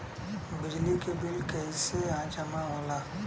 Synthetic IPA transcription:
bɪd͡ʒlikebɪlkəiseãːt͡ʃamãɦõla

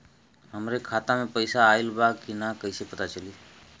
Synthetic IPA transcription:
ɦəmɾekʰaːt̪amẽpəɪsaːɪlbakinakəɪsepət̪at͡ʃəliː

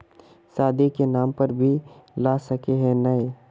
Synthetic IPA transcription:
saːd̪ʱikenaːmpɐɾbʱilaːsɐkeɦɛ̃nɐe

